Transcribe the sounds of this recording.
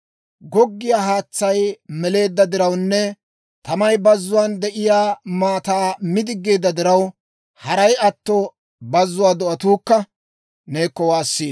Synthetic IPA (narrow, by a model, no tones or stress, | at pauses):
ɡɔɡːɪjaːɦaːt͡sːɐjmɛle̞ːd̪ːɐd̪ɪɾɐwnːɛ | t̪ɐmɐjbɐzːʊwaːnd̪ɛʔɪjaːmaːt̪aːmɪd̪ɪɡːe̞ːd̪ːɐd̪ɪɾɐw | hɐɾɐjɐt̪ːɔ | bɐzːʊwaːd̪ɔʔɐt̪uːkːɐ | neːkːɔwaːsːiː